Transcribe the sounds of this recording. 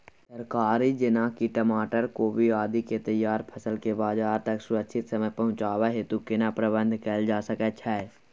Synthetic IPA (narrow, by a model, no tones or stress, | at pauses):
səɾkaːɾid͡ʒɪnaːkiʈəmaːʈəɾkobʱiaːd̪iket̪əjːaːɾpʰəsəlkebaːd͡ʒaːɾt̪əksʊɾəkʃʰɪt̪səməjpɐɦʊ̃t͡ʃaːweɦet̪ukɪnapɾəbə̃nd̪ʱkəld͡ʒaːsəkət͡ʃʰɛː